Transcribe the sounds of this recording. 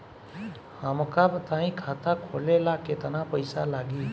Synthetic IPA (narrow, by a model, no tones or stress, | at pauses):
həmkabət̪aĩkʰat̪akʰolelaket̪ənapəjsalaːɡiː